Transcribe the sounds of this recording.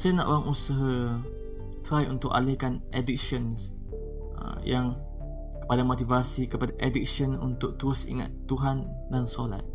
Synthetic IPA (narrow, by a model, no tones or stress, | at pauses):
sajanã̰ʔoɾaŋʔusaɦa | t̪ɾajʔunt̪ʊʔa̰lehkanɛdik̚ʃəns | ə̰ | jaŋ | kə̥padamot̪ivasikəpadaʔedik̚ʃənunt̪ʊk̚t̪uʊsḭŋa̰t̪ːuɦan | dansola̰t̪̚